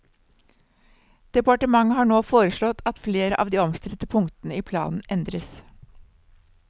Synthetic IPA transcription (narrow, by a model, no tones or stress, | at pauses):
d̪̥ɛpɑʈəmɑŋːəhɑːɳoːfoːɾəʂɭɔt̪ɑt̪fleːɾəʔɑ̰ːʋd̪iːɔmst̪ɾɛt̪əpʰʊŋt̪ənəiːpʰlɑ̰ːnn̩ʔɛnd̪ɾəs